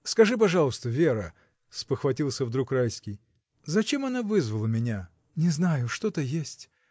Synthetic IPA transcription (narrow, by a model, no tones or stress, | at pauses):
skɐʐɨp̬ɐʐɑlˠəst̪əvʲeɾə | spəxvɐtʲilˠsʲəvd̪ɾukrajskʲɪj | zɐt͡ɕemɐnavɨzvəlˠəmʲɪnʲa | nʲɪznajʊʂt̪ot̪əjesʲtʲ